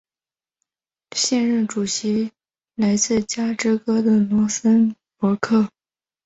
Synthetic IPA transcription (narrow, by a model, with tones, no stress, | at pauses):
ɕjɛ˥˧nɻə˥˩nʈ͡ʂu˨˩ɕi˧˥ | la˧˥ɪt͡sɹ̩˥˩t͡ɕja˥ʈ͡ʂɻ̩˥kɤ˥d̪ə˨lwʊ˧˥sə˥n | pwɔ˧˥kʰɤ˥˩